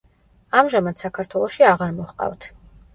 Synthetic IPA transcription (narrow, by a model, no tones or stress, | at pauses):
amʒamad̪sakʰaɾt̪ʰwɛlˠɔʃiaʁaɾmɔχqʼa̰vt̪ʰ